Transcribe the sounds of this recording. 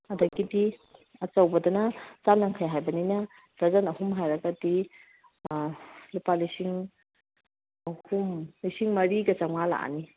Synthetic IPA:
ɐdɐɡidiɐt͡ʃawbɐdɐnɐt͡ʃanaŋkʰajɦajbɐninɐ | b̥ɾɐzanɐhumɦajɾɐɡɐdi | lipalisiŋ | ɐhumlisiŋmɐɾiɡɐt͡ʃaŋmala̰ʔni

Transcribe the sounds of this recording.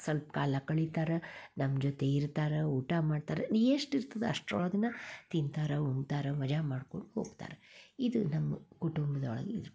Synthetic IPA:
sɐlp̚kaːlɐkɐɭit̪aːɾenɐmːd͡ʒot̪eiɾt̪aːɾeuːʈamaːɖt̪aːɾeeːʂʈiɾt̪ɐd̪eɐ̰ʂʈɔɭɐd̪ɐnːɐt̪int̪aːɾeumɡt̪aːɾemɐd͡ʒamaːɖko̞ɳɖuɦo̰ːɡt̪a̰ːɾeid̪unɐmːɐkuʈumbɐd̪ɐɔɭɐ̰ɡeiɾu

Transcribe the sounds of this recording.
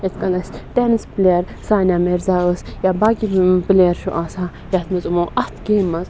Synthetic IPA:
et̪kɐlɐsʲt̪ɛːnɨspleɾ | saːnʲameɾzaːəsjabaːɡibleɾʃuʔasaː | jɐt̪mɐzumoʔɐt̪ʰɡeːmɐz

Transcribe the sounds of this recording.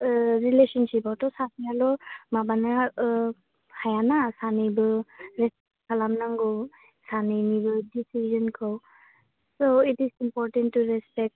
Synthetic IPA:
ɹileʃɔnsipɔtɔsasialɔmabana | hajanasanibɯɹɛspɛkʰalamnaŋɡɔw | saninibɯdisizɔnkʰɔw | soitisimpɔɹtɛntːuɹɛspɛk̚t

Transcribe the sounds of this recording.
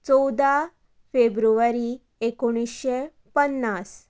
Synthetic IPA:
t͡sɔwd̪ʱa | febɾuʋəɾi | ekoɽ̃isɕe | pənːas

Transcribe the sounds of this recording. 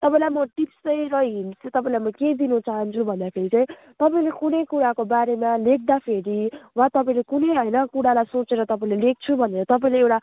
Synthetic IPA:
t̪ʌpãĩlajmʌʈipsʌjɾʌɦinset̪ʌpaĩlajmʌked̪inut͡saɦʌnt͡sʰubʱʌnd̪apʰeɾit͡saĩ | t̪ʌpaĩlekunʌjkuɽakobaɾemalek̚ʰd̪apʰeɽiwat̪ʌpãĩlekunʌjɦʌjnʌkuɽalajsot͡seɾʌt̪ʌpaĩlelek̚t͡sʰubʱʌneɾʌt̪ʌpaĩleewʈa

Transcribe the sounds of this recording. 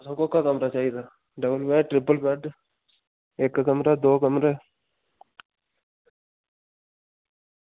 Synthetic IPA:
sãːkokakəmɾat͡ʃaːɦid̪aː | ɖəbəlpɛːɖʈɾɪpəlpɛːʈ | eːkːkəmɾaːd̪oːkəmɾeː

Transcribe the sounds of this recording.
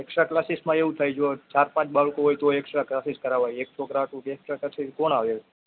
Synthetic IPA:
eksɾaklasismãeʋũt̪ʰajd͡ʒot͡ʃaɾpãt͡ʃbalkoɦojt̪oeksɾaklasiskəɾaʋajeksokɾaʈũkeksɾakasiskoɳaʋe

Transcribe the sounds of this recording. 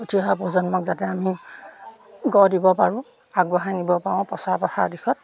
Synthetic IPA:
otʰiɦapozɔnmɔkzatɛami | ɡɔdibɔpaɹũ | aɡbɔɦanibɔpaɔ̃pɔsaɹpɔxaɹdixʰɔt̚

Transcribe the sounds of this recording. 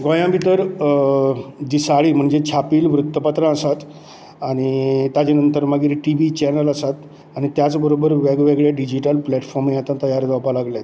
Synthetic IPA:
ɡɔjãbʱit̪əɾ | d͡ʑisaɭiːm̤əɳd͡zet͡ɕʰapiːlʋɾut̪ːəpat̪ɾãəsat̪ | aɽ̃it̪ad͡ʑenənt̪əɾmaɡiːɾʈiʋit͡ɕɛnəlasat̪ | aɽ̃it̪jat͡sbəɾobəɾʋeɡʋeɡɭjeɖid͡ʑiʈəlplɛʈfɔɾmjat̪ãt̪əjaɾd͡z̪apalaɡljat̪

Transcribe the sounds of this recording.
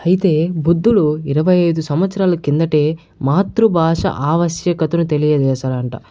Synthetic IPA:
ɐjit̪e̞ːbud̪ːuluiɾɐʋɐjɐjd̪usɐmʋɐt̪sɐɾaːlɐkind̪ɐʈe̞ː | maːt̪ɾubʱaːʂɐ̰ʔaːʋɐsjɐkɐt̪unut̪e̞lijɐd̪ɛːsaːlɐɳʈa̰

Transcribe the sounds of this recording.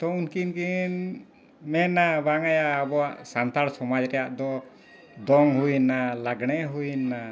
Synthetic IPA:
t̪ɔunkinkin | mɛnabaŋajaːbɔwaʔsant̪aɽsɔmad͡ʒɾɛjaʔd̪ɔ | d̪ɔŋɦujnːalaɡɽ̃ɛɦujnːa

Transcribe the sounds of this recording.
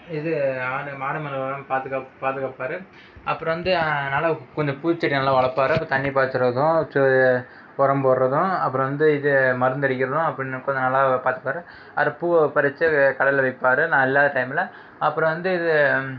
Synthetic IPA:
ɪðɯaːɾɯmaːɾɯmɐnɐʋɐɾɐmpaːt̪ɯkːaːpaːt̪ɯkaːpːaːɾɯ | ɐpːɯɾɔ̃ʋɐnd̪ɯnɐlːaːkːɔɲd͡ʒɐpuːt͡ʃːɐʈːinɐlːaːʋɐɭɐpːaːɾɯɐpːɐɾt̪ɐɳːipaːɾt̪ːɯɾɐðʊ̃t͡ʃ | ɔɾɐmboːɾɾɐðʊ̃ɐpːɯɾɔ̃ʋɐnd̪ɯɪðɯmɐɾɯnd̪ɐɾɪkːɪɾɐðʊ̃ɐpːɐɽɪnːɐkːɔɲd͡ʒɐnɐlːaːpaːɾt̪ɯ̥kːaːɾɯ | ɐɾɐpːupɐɾɐt͡ʃːɯkɐɽɐlʋɐɪpːaːɾɯnãːɪlːaːðɐʈɐɪmɪlɐ | ɐpːɯɾɔ̃ʋɐnd̪ɯɪðɯ

